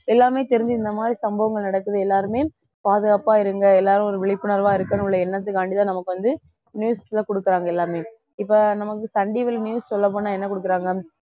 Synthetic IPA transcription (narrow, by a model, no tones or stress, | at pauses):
ɛlːaːmeːt̪ɛɾɯnd͡ʒ̪ɯɪnd̪ɐmaːd̪ɾisɐmbɐʋɐŋɡɐɭnɐɽɐkːɯðɯɛlːaːɾɯmeː | paːðɯɣaːpaːɪɾɯŋɡɐɛlːaːɾɯ̃ɔɾɯʋɛɭɪpːɯnɐɾʋaːɪɾɯkːɐnɭːɐɛnːɐt̪̬ːɯkaːɳɖɪt̪ːãːnɐmɐkːɯʋɐnd̪ɯ | njuːslɐkɔɽɯkːɯɾaːŋɡɐɛlːaːmeː | ɪpːɐnɐmɐkːɯsɐɳɖiʋɐlnjuːssɔlːɐp̬oːnːaːɛnːɐkɔɽɯk̬ːɯɾaːŋɡɐ